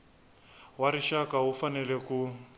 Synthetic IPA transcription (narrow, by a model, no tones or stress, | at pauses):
waɾiʃakaɦufanɛlɛku